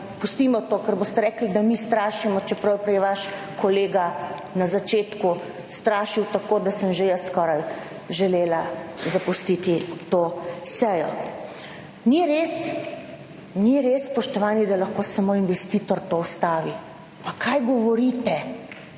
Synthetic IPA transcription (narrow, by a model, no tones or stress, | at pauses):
pust̪imɔt̪oːkɛɾboːst̪ɛɾɛːklid̪amist̪ɾaːʃimɔt͡ʃɛpɾɐwpɾɛjɛʋaʃ | kɔleːɡa | nazat͡ʃeːt̪ku | st̪ɾaːʃiwt̪akoːd̪asəmʒejəskɔɾaj | ʒɛleːlazapust̪it̪it̪osɛjɔ̰ | niɾeːs | niɾespɔʃt̪ɔʋaːnid̪alaxkosamoinʋɛst̪iːt̪ɔɾt̪oɔst̪aːʋi | pakʰajɡɔʋɔɾit̪ɛ